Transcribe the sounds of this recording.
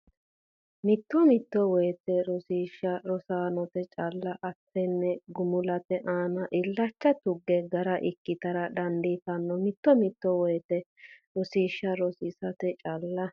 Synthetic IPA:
mɪt̪ːɔmɪt̪ːɔwɔjt̪ɛɾɔsiːʃːɐɾɔsaːnɔt̪ɛt͡ʃʼɐlːɐʔɐt̪ːɛnːɛɡʊmʊlɐt̪ɛʔaːnɐʔɪlːɐt͡ʃːɐt̪ʊɡːɛɡɐɾɐʔɪkːɪt̪ɐɾɐᶑɐnd̪it̪ɐnːɔmɪt̪ːɔmɪt̪ːɔwɔjt̪ɛɾɔsiːʃːɐɾɔsɪsɐt̪ɛt͡ʃʼɐlːɐ

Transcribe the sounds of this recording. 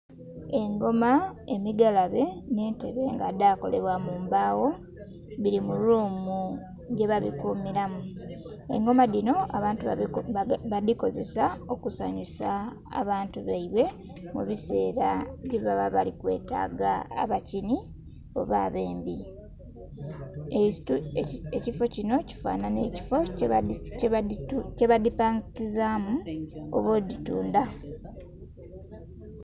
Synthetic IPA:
e̞ŋɡo̞mae̞miɡalaβe̞ne̞ːnte̞βe̞ːŋɡadaːko̞̰le̞βwamuːmbaːwo̞ | βiɾimuluːmu | ɟe̞βaβikuːmiɾamu | e̞̰ŋɡo̞maðino̞aβaːntu | βaðiko̞ze̞sao̞kusaːɲusa̰ː | βaːntuβaiβwe̞ | mṵβise̞ːɾaβiβaβaβalikwe̞̰ːta̰ːɡa̰ːβacini | o̞̰βa̰ːβe̞ːmbi | ecifo̞cino̞ci̥fa̰ːnanei̥fo | ce̞βadipaːŋkizaːmuo̰βo̞ːdituːnda

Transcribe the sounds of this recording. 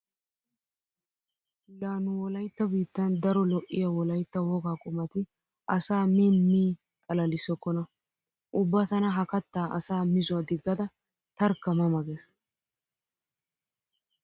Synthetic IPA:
laːnʊwɔlɐjt̪ːɐbiːt̪ːɐnd̪ɐɾɔlɔʔːɪjɐwɔlɐjt̪ːɐwɔɡaːkʼʊmɐt̪ɪ | ʔɐsaːmiːnmiː | k̪ʼɐlɐlɪsːɔkːɔnɐ | ʔʊbːat̪ɐnɐɦɐkɐt̪ːaːʔɐsaːmɪzʊwɐd̪ɪɡːɐd̪ɐ | t̪ɐɾkːɐmɐmɐɡeːs

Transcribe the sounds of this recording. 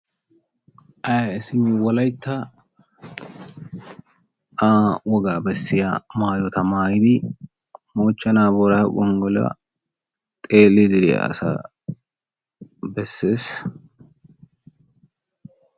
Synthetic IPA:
ʔɐjsɪmɪwɔlɐjt̪ʰːɐ | ʔaːwɔɡaːbɛsːɪjamaːjɔt̪ɐmaːjɪd̪ɪ | moːt͡ʃːɐnaːbɔɾaɡɔŋɡɔl̰ɐ̰ | t̪ʼeːlːɪd̪ɪɾɪ̰ɐ̰sa̰ | bɛsːeːs

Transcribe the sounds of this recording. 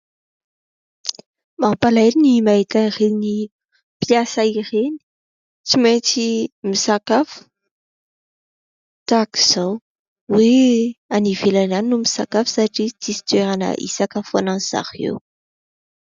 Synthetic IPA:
mapalajninimaet̪aireni | pjasaireni̥ | t͡simajt͡simisakafu̥ | t̪aki̥z̥aw | weanivelananinumisakafu̥saʈ͡ʂit͡sisi̥t̪weɾanə̰ʔḭsakafananz̥a̰hḛw

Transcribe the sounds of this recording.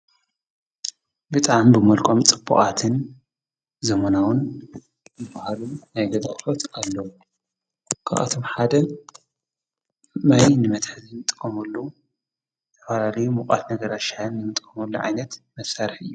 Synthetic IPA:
bɨt̪ʼaʕmbɨmɐlkʼomt͡sʼɨbːuχʼat̪ʰɨn | zɐmɐnawʊn | zɨbahalunajɡɐzʼɐ̰χʼfot̪alːɐwu | kʰa̰ʔa̰t̪ʰo̞mħad̪ɐ | majnɨmɐt̪ħzimɨt̪ʼɨ̥kʼːɐmɐlːu | t̪ʰɐfalalɐjumuχʼa̰t̪nɐɡɐɾaʃaɨnːɨmɨt̪ʼkʼɐmɐlːuʕa̰jnɐt̪mɐsaɾħɨ̰jːu

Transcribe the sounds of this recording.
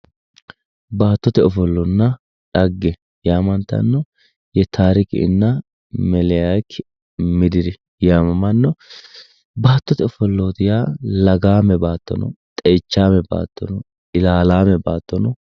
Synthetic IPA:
baːt̪ːɔt̪ɛɔfɔlːɔnːɐ | ᶑɐɡːɛ | jaːmɐnt̪ːɐ̰nːɔ | jɛt̪ʰaːɾɪkɪ̰ɪ̰nːɐ | mɛlɛjakː | mɪd̪ɪɾɪ | jaːmɐmɐnːɔ | baːt̪ːɔt̪ɛɔfɔlːoːt̪ɪjaːlɐɡaːmɛbaːt̪ːɔ̰nɔ̰t̪ʼɛːt͡ʃːaːmɛba̰ːt̪ːɔnɔ | ɪlaːlaːmɛbaːt̪ːɔnɔ

